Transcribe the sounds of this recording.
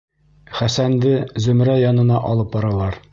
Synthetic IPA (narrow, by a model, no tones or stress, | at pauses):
χæsænd̪ɘzɵ̆mɾæjɒnɤ̆nɑʔɒlˠɤp̚bɒɾɑlˠɑɾ